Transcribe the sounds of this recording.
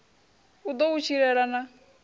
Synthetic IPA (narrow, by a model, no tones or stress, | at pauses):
ud̪ɔut͡ʃʰiɾɛɾana